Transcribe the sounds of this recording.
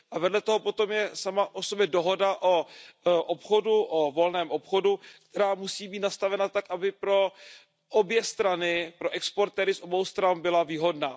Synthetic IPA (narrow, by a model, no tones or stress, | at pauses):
ʔavɛdlɛt̪oɦopo̞t̪o̞mjɛsamaʔosobjɛdo̞ɦo̞daʔoʔopxoduʔovo̞lnɛːmʔopxo̞duktt̪ɛɾaːmusiːbiːt̪nast̪avɛnat̪akʔabɪpɾo̞ | ʔobjɛst̪ɾanɪpɾoʔɛkspoɾt̪ɛːɾɪsʔo̞bowst̪ɾanbɪlaviːɦo̞dnaː